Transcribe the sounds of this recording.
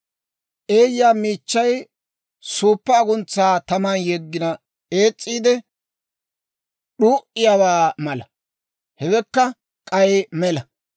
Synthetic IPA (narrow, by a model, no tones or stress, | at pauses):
ʔeːjːaːmiːt͡ʃːɐj | suːpːɐːɡʊnt͡sːaːt̪ɐmɐnjɛɡːɪnɐ | e̞ːt͡sʼːiːd̪ɛ | ɗuːʔɪjawaːmɐlɐ | hɛwɛkːɐ | kʼɐjmɛlɐ